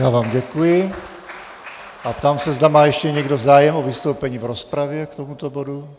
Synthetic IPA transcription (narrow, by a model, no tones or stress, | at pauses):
jaːvaːmɟɛkujɪ | ʔapt̪aːmsɛzd̪amaːjɛʃcɛɲɛɡdozaːjɛmovɪst̪owpɛɲiːvɾospɾavjɛkt̪omut̪obodu